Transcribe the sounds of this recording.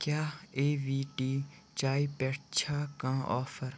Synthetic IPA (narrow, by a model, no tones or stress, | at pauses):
kjaːeːʋiːʈiː | t͡ʃaːipɛːʈt͡ʃʰaːkãːʔɔːfəɾ